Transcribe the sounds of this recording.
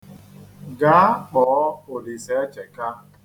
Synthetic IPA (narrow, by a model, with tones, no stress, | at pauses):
ɡaː˦k͡pɔː˨˦o˨di˨se˨˦t͡ʃe˨ka˦